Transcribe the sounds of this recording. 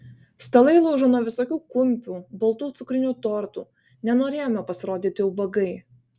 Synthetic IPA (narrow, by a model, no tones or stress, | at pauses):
st̪ɐlˠɐɪlˠɐʊʒoːnuɔʋʲɪsoːkʲuːkʊmʲpʲuːbɐlˠt̪uːt̪sʊkɾʲɪnʲuːt̪oːɾt̪ṵː | nʲɛnoːɾʲeːjomʲɛpɐsʲɪɾoːd̪ʲiːt̪ʲɪjɛʊbɐɡɐɪ